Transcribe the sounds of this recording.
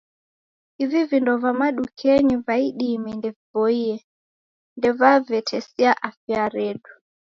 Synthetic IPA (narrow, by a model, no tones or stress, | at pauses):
ivivindɔvamaɗukʰɛɲivaiɗimɛndɛvivɔiɛ | ndɛvavɛtʰɛsiaʔafjaɾɛɗu